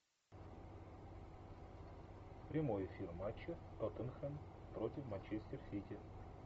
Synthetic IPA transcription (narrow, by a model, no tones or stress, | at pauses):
pɾʲɪmo̞jɪfʲirmat͡ɕːɪot̪ənxənpɾotʲɪfmanʲt͡ɕesʲtʲɪrsʲitʲɪ